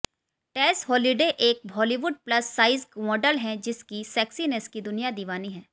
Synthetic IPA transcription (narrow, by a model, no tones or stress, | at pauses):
ʈɛːsɦɔːliɖeʔeːk̚bʱɔːliʋʊɖ̚plɐsːaːɪzkmɔːɖəlɦɛ̃d͡ʒɪskisɛːksineskid̪ʊnijad̪iːʋaːniɦɛ̃ː